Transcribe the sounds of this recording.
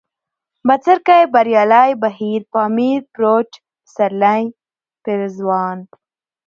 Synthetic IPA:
bat͡səɾkajbaɾjɑːlajbaɦiɾpɑːmiɾpɾot͡ʃ | saɾlaj | pɪɾzwɑːn

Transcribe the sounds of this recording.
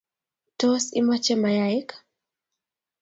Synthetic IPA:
tɔsimat͡ʃɛmajaik

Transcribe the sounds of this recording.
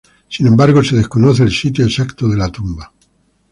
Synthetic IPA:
sinẽ̞mbaɾɣ̞ose̞ðe̞skonoθeːlsit̪̬joesakt̪oðe̞lat̪umba

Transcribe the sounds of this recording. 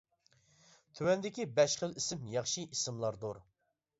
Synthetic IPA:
t̪ʰywɛnd̪ɪkʲibɛʃχəlˠisɪmjɑχʃiʔisɪmlˠɑɾd̪uɾ

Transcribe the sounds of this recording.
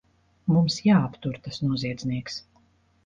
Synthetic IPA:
mumsjaːapt̪uɾt̪asnuɔziɛd̪zniɛks

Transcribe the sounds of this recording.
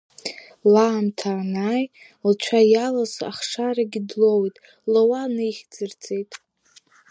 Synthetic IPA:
laːmtʰaːnaj | lt͡ʃʷʰajalasa̰χʂaɾaɡʲidlowitʼ | lowanɨjχʲd͡zɨrd͡zʼe̞jtʼ

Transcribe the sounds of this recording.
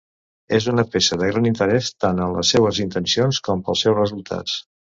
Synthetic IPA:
ezunəpesəðəɣ̞ɾanint̪əɾɛst̪anənlə̰sːɛβəzint̪ənsionskɔmpəlˠsɛwzrəzulˠt̪ʰa̰t͡s

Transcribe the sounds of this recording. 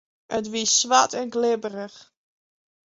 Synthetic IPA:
ətʋisʋatɛnɡlɪbərəx

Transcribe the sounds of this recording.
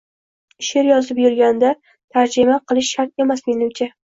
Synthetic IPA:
ɪʃeɾjɒzɪpjʊɾɡʲand̪a | t̪ʰaɾd͡ʒɪmaqʰɨlˠɪʃːaɾt̪̚e̞masme̞nɪmt͡ʃʰa

